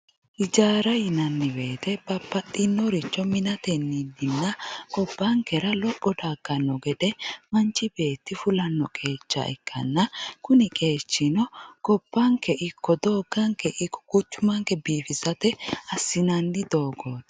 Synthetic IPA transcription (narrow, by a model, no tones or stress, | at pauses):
ʔɪd͡ʒaːɾɐjɪnɐnːɪbe̞ːt̪ɛb̥ɐpːɐt̪ʼːɪnːɔɾɪt͡ʃːɔmɪnɐt̪ɛnːid̪ɪnːɐkʼɔbːɐŋkɛɾɐlɔpʼːɔd̪aːɡ̥ːɐnːɔɡɛd̪ɛmɐnt͡ʃːɪbe̞ːt̪ːɪfʊlɐnːɔkʼe̞ːt͡ʃːɐ̰ʔɛ̰kʰːɐ̰nːɐkʊnɪkʼe̞ːt͡ʃːɪnɔkɔb̥ːɐŋkɛʔɪkːɔd̪o̞ːɡɐŋkɛʔɪkːɔ̥kʊt͡ʃːʊmɐŋkɛbiːfɪsɐt̪ɛɐsːɪnɐnːɪd̪oːɡoːd̪